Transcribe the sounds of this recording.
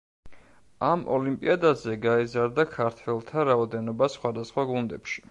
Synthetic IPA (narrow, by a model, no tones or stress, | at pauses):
amʔɔ̰limpʼḭad̪azɛɡaizaɾd̪akʰaɾt̪ʰvɛlˠt̪ʰaɾaɔd̪ɛnɔbasχwad̪asχwaɡund̪ɛpʃi̥